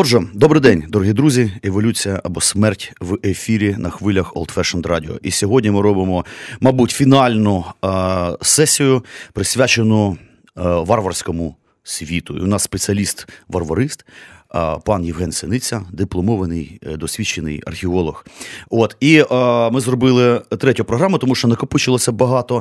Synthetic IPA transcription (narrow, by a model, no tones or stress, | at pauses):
ɔrʒɛd̪ɔbɾɪjd̪ɛnʲd̪ɔɾɔɦid̪ɾuzʲieʋɔlʲut͡sʲijɐʔɐbɔsmɛrtʲʋefʲiɾʲinɐxʋɪlʲɐxɔ̰lˠt̪fɛʃɐnd̪ɾɑdʲɪɔ̰ʔisʲɔɦɔdʲnʲimɪɾɔbɪmɔmɐbutʲfʲinɑlʲnʊ | sɛsʲijʊpɾɪsʲʋʲat͡ʃenʊ | ʋɑrʋɐrsʲkɔmʊ | sʲʋʲit̪ʊ̰ḭʊnɑssːpet͡sʲiɐlʲist̪ʋɐrʋɐɾɪst̪ | pɑnjiwɦɛnsʲɪnɪt͡sʲɐd̪ɪplˠɔmɔʋɐnɪjd̪ɔsʲʋʲit͡ʃːenɪ̰jɐ̰rxʲɪɔlˠɔxot̪imɪzrɔbɪlˠɪt̪ɾɛtʲʊpɾɔɦɾɑmʊt̪ɔmuʃt͡ʃɔnɐkɐput͡ʃɪlˠɔsʲɐbɐɦɑt̪ɔ